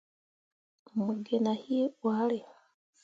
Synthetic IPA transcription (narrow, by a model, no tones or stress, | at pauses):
muɡenahiwalea